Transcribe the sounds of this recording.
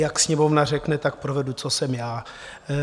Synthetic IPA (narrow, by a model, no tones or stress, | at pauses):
jaksɲɛmomnarɛknɛt̪ak̚pɾovɛdut͡sosɛmjaː